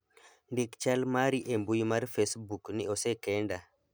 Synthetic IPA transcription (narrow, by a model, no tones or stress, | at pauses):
ndikt͡ʃalmaɾiʔɛmbujmaɾfesbukniɔsɛkɛnda